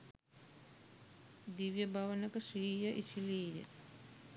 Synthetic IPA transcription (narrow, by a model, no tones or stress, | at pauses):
d̪iʋjəbʱaʋənəkəʃɾiːjəʔisiliːjə̰